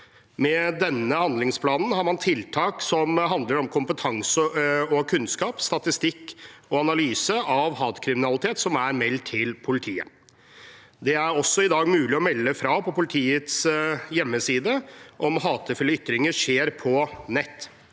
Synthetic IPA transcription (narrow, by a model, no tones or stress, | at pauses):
mɛd̪ɛnːəhɑnd̪lɪŋspʰlɑːnn̩hɑɾmɑnt̪ʰɪlt̪ʰɑːksɔmɦɑnd̪ləɾɔmkʰʊmpət̪ʰɑŋsəɔkʰʉnskɑːpst̪ɑt̪ɪst̪ɪkːɔɑnɑlyːsəɑʋhɑːt̪kʰɾɪmɪnɑlɪt̪ʰeːt̪sɔmæɾmɛlt̪ʰːɪlpʰʊlɪt̪ʰiːə̰ | d̪ɛæɾɔsːɔɪd̪ɑːɡmʉːlɪɔmɛlːəfɾɑpʰɔpʊlɪt̪ʰiːət̪sjɛmːəsiːd̪əʔɔmɦɑːt̪ʰəfɪlːəʏt̪ɾɪŋəʂeːɾpʰɔnɛt̪ː